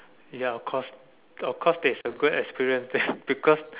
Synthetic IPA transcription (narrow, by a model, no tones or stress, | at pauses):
jaɔfkʰɔs | ɔfkʰɔsdɛisəɡudɛkspiɹiə̃nsdɛb̥ikʰɔs